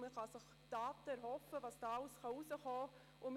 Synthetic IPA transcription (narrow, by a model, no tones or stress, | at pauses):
məχɑsəχ | d̥ɑːtəɛɾhɔfəʋɑːsd̥ɑːɑʊsχɑusəχɔː | ʊm